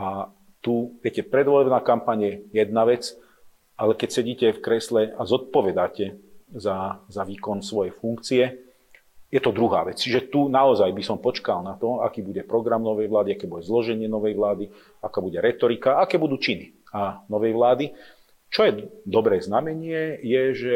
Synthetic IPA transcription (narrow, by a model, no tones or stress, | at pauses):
ʔa | t̪uʋjɛcɛpɾɛd̪ʋɔlɛbnaːkampaɲjɛjɛd̪̚naʋɛt͡s | ʔalɛkɛcsɛɟiːcɛfkɾɛslɛazɔt̪̚pɔʋɛd̪aːcɛzazaʋiːkɔnsʋɔjɛfuŋkt͡siɛ | jɛt̪ɔd̪ɾuɦa̰ːʋɛt͡st͡ʃiʒɛt̪unaɔzajbisɔmpɔt͡ʃkalnat̪ɔa̰kiːbuɟɛpɾɔɡɾamnɔʋɛjʋlaːd̪iakɛːbuɟɛzlɔʒɛɲɪɛnɔʋɛjʋlaːd̪i | akaːbuɟɛɾɛt̪ɔɾikaakɛːbud̪uːt͡ʃini | anɔʋɛjʋlaːd̪i | t͡ʃɔjɛd̪ɔbɾɛːznamɛɲɪɛjɛʒɛ